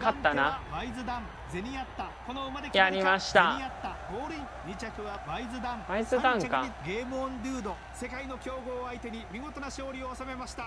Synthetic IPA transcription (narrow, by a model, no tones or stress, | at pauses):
kat̪ːanaabaizɨd̪ãm | ze̞ɲ̟ʲijat̪ːako̞no̞ɯmad̪ekjaɾʲimaɕi̥t̪aijat̪ːaɡoːɾɯ | ɲʲit͡ɕakɯ̟βabaizɨd̪ãmaizɨd̪ãŋkaiɡe̞ːmɯõnɾʲɯːd̪o | se̞kaino̞kʲo̞ːɡo̞ːait̪e̞ɲ̟imʲiŋo̞t̪o̞naɕo̞ːɾʲio̞asame̞maɕi̥t̪a